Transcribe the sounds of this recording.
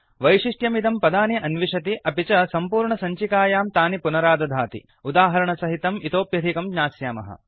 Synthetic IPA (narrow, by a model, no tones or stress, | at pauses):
ʋɐjʂiʂʈjɐmit̪ɐmpɐd̪aːniʔɐnʋiʂɐt̪iʔɐpit͡ʃɐsɐmpuːɾɳɐsɐɲt͡ʃikaːjaːmt̪aːnipunɐɾaːd̪ɐd̪ʱaːt̪ḭ | ud̪aːɦɐɾɐɳɐsɐɦit̪ɐmit̪oːpjɐd̪ʱikɐmɲaːsjaːmɐ̰ɦɐ̰